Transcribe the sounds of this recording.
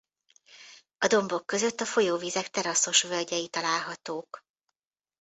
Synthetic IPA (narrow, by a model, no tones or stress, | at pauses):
ɒd̪o̞mbo̞kːø̞zøt̪ːɒfo̞joːviːzɛkt̪ɛɾɒso̞ʃvølɟɛjit̪ɒlaːlɦɒt̪oːk